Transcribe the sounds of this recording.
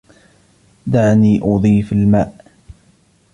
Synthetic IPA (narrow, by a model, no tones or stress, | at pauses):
d̪aʕniːʔʊðˤiːfalmaːʔ